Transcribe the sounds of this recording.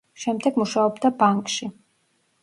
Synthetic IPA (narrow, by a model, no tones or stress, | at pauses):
ʃɛmd̪ɛɡmuʃaɔbd̪abaŋkʼʃi